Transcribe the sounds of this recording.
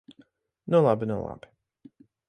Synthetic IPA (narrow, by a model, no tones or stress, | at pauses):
nulˠabinulˠa̰bi